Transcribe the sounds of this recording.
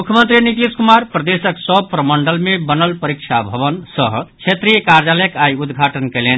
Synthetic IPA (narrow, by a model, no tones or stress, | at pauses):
mukʰjəmənt̪ɾinit̪iskumaɾpɾəd̪esəksəb̚pɾəməɳɖəlmebənəlpəɾikt͡ʃʰabʱəβənsəɦt͡ʃʰet̪ɾijəkaɾjaləjəkajud̪ɡʱaʈənkɛlen